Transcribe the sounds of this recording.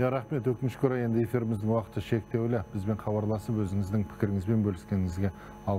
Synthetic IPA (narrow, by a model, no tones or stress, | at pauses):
jaɾɑχme̞t̪wɵkʲɪnɪʃkʲʰɵɾɑje̞nd̪ɪe̞fiɾɪmɪzd̪ɪŋwɑqət̪ːəʃe̞k̚t̪e̞wlɪb̥ɪzbe̞ɴχɑbɑɾlˠɑsəpwɵzɪŋɪzd̪ɪŋpʰɪ̥kʲɪɾɪŋɪzbe̞nbɵlɪskʲe̞nɪŋɪzɡʲe̞ | ɑlˠ